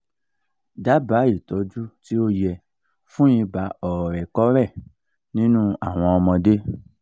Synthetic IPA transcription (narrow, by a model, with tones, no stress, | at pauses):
da˨˦ba˨˦i˦˨tɔ˨˦d͡ʒu˦ti˦o˦jɛ˧ | fũ˦jĩ˧ba˨˦ɔ˨ɾɛ˨kɔ˦ɾɛ˦˨ | nĩ˦nũ˦a̰˦˨w̃ɔ̃˧ɔ˧mɔ̃˧de˦